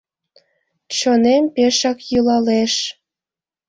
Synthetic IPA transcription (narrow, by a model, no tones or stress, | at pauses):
t͡ɕonempeʃɑkjulɑleʃ